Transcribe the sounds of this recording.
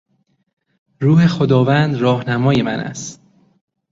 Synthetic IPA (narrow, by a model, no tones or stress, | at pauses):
ɾuːhe̞xod̪ɒːvænd̪ɾɒːhnæmɒːje̞mænʔæ̰st̪